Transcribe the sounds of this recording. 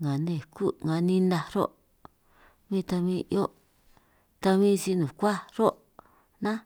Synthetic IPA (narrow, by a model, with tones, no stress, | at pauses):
ŋa˨nẽ˧˨ku˦˨ŋã˨nĩ˧nã˧ɾo̰˦ʔ | mĩ˦˧t̪a˧mĩ˧ʔjo˦ʔ | t̪a˧βĩ˦˧si˧nũ˨kʷa˦ɾo˦ʔ | nã˦